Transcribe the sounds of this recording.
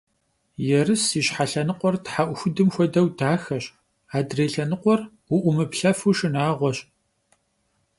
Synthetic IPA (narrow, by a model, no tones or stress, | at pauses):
jɛrɨsiɕħaɬɐnɨqʷɔrtħaʔʷʊxʷʊdɨmxʷɔdɐwdaːxɐɕ | aːdreːɬɐnɨqʷɔr | wʊʔʷʊmɨpɬɐfuʃɨnaːʁʷɔɕʼ